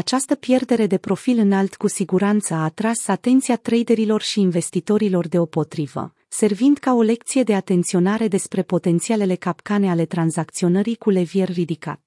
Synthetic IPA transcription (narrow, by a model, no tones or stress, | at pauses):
at͡ʃast̪əpje̞rd̪e̞ɾe̞d̪e̞pɾo̞filɨnalt̪kusiɡuɾant̪səaːt̪ɾasat̪e̞nt̪sijat̪ɾejd̪e̞ɾilo̞rʃiːnve̞st̪it̪o̞ɾilo̞rd̪e̞o̞po̞t̪ɾivə̰ | se̞rvind̪̥kao̞le̞k̚t̪sije̞d̪eat̪e̞nt̪sio̞naɾe̞d̪e̞spɾe̞po̞t̪e̞nt̪siale̞le̞kapkane̞ale̞t̪ɾanzakt̪sio̞nəɾikule̞vje̞rrid̪ika̰t̪